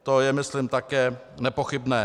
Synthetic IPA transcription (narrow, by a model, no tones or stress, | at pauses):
t̪ojɛmɪslɪmt̪akɛː | nɛpoxɪbnɛː